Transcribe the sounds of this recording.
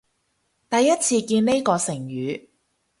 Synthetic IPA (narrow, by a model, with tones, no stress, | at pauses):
t̪ɐ˨jːɐ˥t̚t͡sʰiː˧kiː˧nne˥jkɔː˧sɪ˨˩ŋjyː˨˧